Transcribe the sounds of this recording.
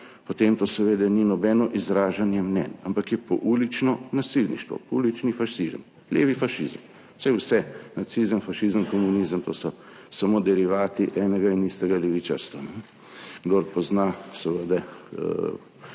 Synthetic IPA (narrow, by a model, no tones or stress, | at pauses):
pot̪emt̪oːsɛʋeːd̪aninɔbɛnɔʔizɾaːʒanjɛmnɛ̰nampakjɛpɔ̰ʔulit͡ʃnɔnasilnḭʃt̪ʋɔ̰puːlit͡ʃnifaʃizə̰m | leːʋifaʃizəm | sɛjwsɛnat̪sizənfaʃizəmkɔmunizəmt̪o̰ːsɔ | samoːd̪ɛɾiʋaːt̪iʔɛːnɛɡainist̪ɛɡalɛʋit͡ʃa̰ɾst̪ʋanɛ | ɡd̪oɾpɔznasɛʋəd̪a̰